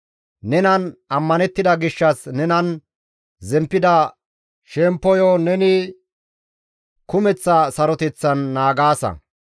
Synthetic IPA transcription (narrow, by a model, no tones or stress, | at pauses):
nɛnɐnɐmːɐnɛt̪ːɪd̪ɐɡɪʃːɐsnɛnɐn | zɛmpːɪd̪ɐ | ʃɛmpːɔjɔnɛnɪ | kʊmɛt͡sːɐsɐɾɔt̪ɛt͡sːɐnːaːɡaːsɐ̰